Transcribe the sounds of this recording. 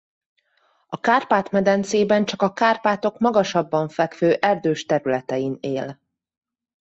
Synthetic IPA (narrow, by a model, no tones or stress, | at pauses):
ɒkaːrpaːt̪mɛd̪ɛnt̪seːbɛnt͡ʃɒkɒkaːrpaːt̪o̞kmɒɡɒʃɒbːɒɱfɛkføːʔɛrd̪øːʃt̪ɛɾylɛt̪ɛjineːl